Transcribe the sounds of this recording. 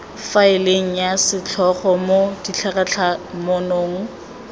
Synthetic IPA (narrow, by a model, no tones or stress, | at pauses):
faɪleŋ̩jasɪt͡ɬʰɔχɔmodit͡ɬʰakat͡ɬʰamonoːŋ̩